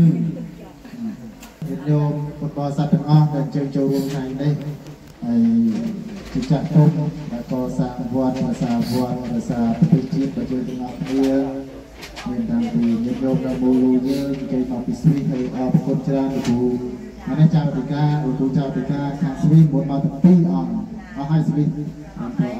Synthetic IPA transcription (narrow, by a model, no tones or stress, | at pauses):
a | niəp̚ɲoːmkoənɓɑːsat̪̆ːəŋʔɑhɗaɛlɲt͡ɕəːŋt͡ɕoːlruəmk̪ʰnaɛmnih | haəj | t͡ɕiːət͡ɕaht̪up̚ɗaɛlkɑːsaːnʋŏət̪̚ɗaɔjsaːʋŏət̪̚rajsaːprɑt̪eːht͡ɕiət̪̚ɗɑt͡ɕəːt̪ɛəŋʔɑhkʰniə | miənt̪aŋpiːniəp̚ɲoːp̚nɨwmoːloːjəːŋʔəɲt͡ɕəːɲmɑpiːsʋihːɨlʔɑːpikunt͡ɕraənlukuː | mənɛht͡ɕawt̪ʰikaːnuk̪uːt͡ɕawt̪ʰikaːkʰaːŋsʋihmuət̪̚mawt̪aŋpiːʔɑ | ʔɑŋʔasʋih | ɓanp̪ʰɑː